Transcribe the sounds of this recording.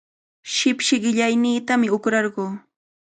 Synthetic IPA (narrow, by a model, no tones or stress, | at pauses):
ʃɪpʃɪɢɪʎajniːt̪amɪʊkɾɑɾɢoː